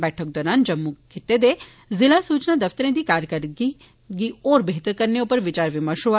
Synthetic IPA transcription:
bɛːʈʰək̚d̪ɔːɾaːnd͡ʒɐmːukʰɪt̪ːed̪e | zɪlasuːt͡ʃnad̪ɐft̪əɾẽd̪iːkaːɾjkəɾɡi | ɡioːɾbeɦt̪əɾkəɾneupəɾʋɪt͡ʃaːɾʋɪməʃoa

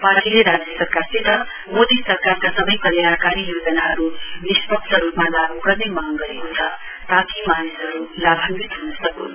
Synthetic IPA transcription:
paʈileɾad͡zjʌsʌrkarset̪ʌ | mod̪isʌrkarkasʌbʌjpʌɾjakaɾijod͡zʌnaɦʌɾunispʌkt͡sʰʌɾupmalaɡukʌrnemaŋɡʌekot͡sʰʌ | t̪akimanisʌɾulabʱʌnbit̪ɦunʌsʌko̰n

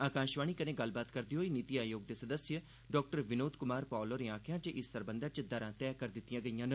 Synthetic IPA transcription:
aːkãːʃʋaːɽ̃iːkənẽːɡəlbaːt̪kəɾd̪iːɦoːiːnit̪iːaːjoːɡ̚d̪eːsəd̪əsjə | ɖɔːk̚ʈəɾʋɪnoːd̪kʊmaːɾpaːloːɾeːaːkʰjãːt͡ʃʔɪsːəɾbə̃nd̪aːt͡ʃəd̪əɾãːt̪ɛːkəɾd̪ɪt̪ːijãːɡəijãːnə

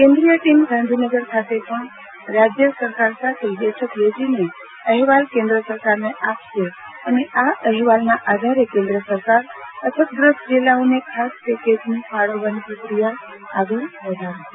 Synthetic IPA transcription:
kẽnd̪ɾijəʈimɡãnd̪ʱinəɡəɾkʰat̪epəɳ | ɾad͡ʒjəsəɾkaɾsat̪ʰebɛt͡ʃʰəkjed͡ʒine | əɦɛʋalkẽnd̪ɾəsəɾkaɾneʔapʃeəneʔaʔəɦiʋalnaʔad̪ʱaɾekẽnd̪ɾəsəɾkaɾəsʰəkd̪ɾəsd͡ʒelaonekʰaspeked͡ʒnĩfaɽobənpɾəkɾija | aɡəɭʋəd̪ʱaɾo

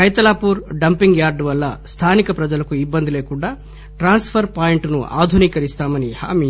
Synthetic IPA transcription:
ɐjt̪ɐlaːpuːɾɖɐmpiŋɡjaːɾɖʋɐlːɐst̪ʰaːnikɐpɾɐd͡ʒɐlɐkuibːɐnd̪ileːkuɳɖaː | ʈɾaːnspʰɐɾpaːjiɳʈnuʔa̰ːd̪ʱuniːkɐɾist̪aːmɐniha̰ːmi

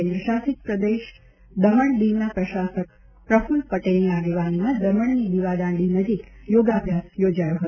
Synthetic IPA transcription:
kẽnd̪ɾəʃasik̚pɾəd̪eʃ | d̪əməɳbiʋnapɾəʃasək̚ | pɾəfulpəʈelniaɡeʋanimãd̪əməɳnid̪iʋad̪ãɳɖinəd͡ʒikjoɡabʱjasjod͡ʒajoɦət̪o

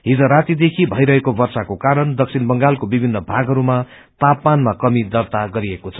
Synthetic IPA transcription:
ɦid͡zʌ̃ɾat̪id̪ekʰibʱʌjɾʌɦekobʌrsakokaɾʌnd̪ʌk̚sʰinbʌŋɡalkobibʱinːʌbʱaɡʱɦʌɾuma | t̪apmanmakʌmid̪ʌrt̪aɡʌɾiekot͡sʰʌ̥

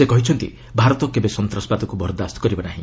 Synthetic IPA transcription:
sekɔɦit͡ʃʰɔnt̪ḭ | bʱaɾɔt̪ɔkːebesɔnt̪ɾɔspat̪ɔkubʱɔɾd̪ast̪kɔɾibɔnaɦḭ̃

